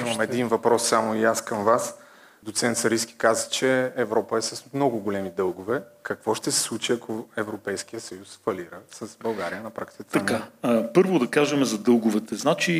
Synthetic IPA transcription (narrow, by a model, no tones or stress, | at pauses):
imɐmɛd̪invɐpɾɔsːamoiaskɐmvas | d̪ot̪sɛnt̪sɐɾisk̟i̥kazət͡ʃɛːvɾɔpəɛsɐsmnɔɡʊɡolɛmid̪ɤlˠɡʊvɛkɐkvɔʃt̪ɛsɛ̥slˠut͡ʃiɐkʰoɛvɾopɛjskijəsɐjusfɐliɾəsɐsbɐlˠɡaɾiənɐpɾakt̪i̥kət̪ɐankapɤɾvʊd̪ɐkaʒɐmɛzɐd̪ɤlˠɡʊvɛt̪ɛznat͡ʃi